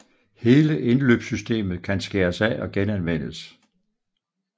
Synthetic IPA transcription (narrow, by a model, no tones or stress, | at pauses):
he̝ːləʔe̝nløːb̥sysd̥e̝̰ːmð̩ˠkʰænsɡ̥e̝ːɐsæʔɒ̽ɡ̥enænʋen̰əs